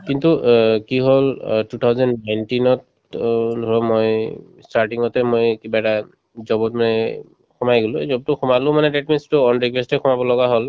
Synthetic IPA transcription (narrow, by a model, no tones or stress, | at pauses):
kintukiɦoltutʰawzɔnnajntinɔt | dʱɹɔmoj | staɹʈiŋɔtɛmojkibaɛta | zɔbɔtmanɛ | xʰɔmajɡoluzɔbtʊxɔmalʊ̃manɛdet̚menstʊɔnɹikwestɛxʰɔmabɔlɔɡaɦol